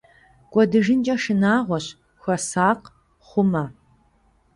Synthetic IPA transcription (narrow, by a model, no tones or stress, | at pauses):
kʷʼɔdɨʒɪnd͡ʒʼɐʃɨnaːʁʷɔɕ | xʷɔsaːq | χʷʊmɐ